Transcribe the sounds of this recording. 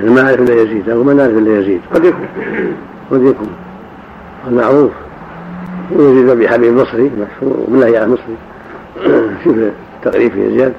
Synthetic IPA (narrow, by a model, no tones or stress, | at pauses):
ʔnamaaʕɾɪfʔɪlːajaziːd̪ʔawmanaʕɾɪfʔɪlːajɪzḭːd̪qɑd̪jakuːn | qɑd̪jakuːn | almaʕɾˤuːf | wjaziːd̪mabiħabiːbmɑsˤɾimaʃhṵɾwmɪlːahjaʕmɑsˤɾi | ʃuf | t̪ːaqɾiːfḭja̰zjaːd̪